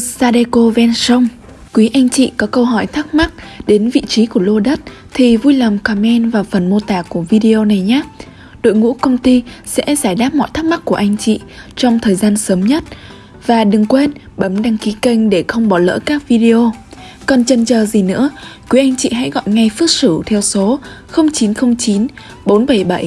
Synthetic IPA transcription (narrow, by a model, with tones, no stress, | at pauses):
saː˧ɗe˧ko˧vɛ˧nsə˧wŋ͡m | kwi˨˦ʔa˧jŋ̟t͡ɕḭ˧˨kɔ˨˦kə˧wɦɔ˧˩jt̪ʰa˦˥k̚ma˦˥k̚ɗe˨˦nvḭ˧˨t͡ɕi˨˦ku˧˩əlo˧ɗə˦˥t̚ | t̪ʰi˨˩vu˧jla˨˩mka˨˧˩mɛ˧nvaː˨˩fə˨˩nmo˧t̪aː˨˩ku˧˩əvi˧ɗi˧ʔo˧na˨˩jɲaː˨˦ | ɗo̰˧˨jŋṵ˧˥kə˧wŋ͡mt̪i˧sɛ̰˧˥zaː˧˩jɗaː˦˥p̚mɔ̰˧˨jt̪ʰa˦˥k̚ma˦˥k̚ku˧˩əʔa˧jŋ̟t͡ɕḭ˧˨t͡ɕɔ˧wŋ͡mt̪ʰəː˨˩jzaː˧nsəː˨˦mɲə˦˥t̚ | vaː˨˩ɗɨ˨˩ŋkwe˧n | ɓə˨˦mɗaː˧ŋki˨˦kə˧jŋ̟ɗe˧˩xə˧wŋ͡mɓɔ˨˩lə̰ː˧˥kaː˦˥k̚vi˧ɗe˧o˧ | kɔ˨˩nt͡ɕə˧nt͡ɕəː˨˩zi˨˩nɨ̰˧˥əkwu˨˦ʔa˧jŋ̟t͡ɕḭ˧˨ɦa̰˧˥ɣɔ̰˧˨jŋa˧jfɨ˦˥k̚sɨ˧˩t̪ʰɛ˧wso˨˦xə˧wŋ͡mt͡ɕi˨˦nxə˧wŋ͡mt͡ɕi˨˦n | ɓo˨˦nɓə˧˩jɓa˧˩j